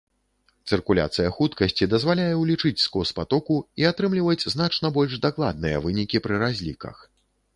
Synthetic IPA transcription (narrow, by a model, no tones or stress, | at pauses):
t̪sɨrkulʲa̰t̪sɨjɐxut̪kɐsʲt͡sʲid̪ɐzvalʲajɛwlʲit͡ʂɨt͡sʲskɔspat̪ɔkuiat̪ɾɨmlʲivɐd͡zʲznat͡ʂnɐbɔlʲʐd̪aklˠa̰d̪̚nɨjɐ̰vɨnʲikʲipɾɨɾazʲlʲikɐ̰x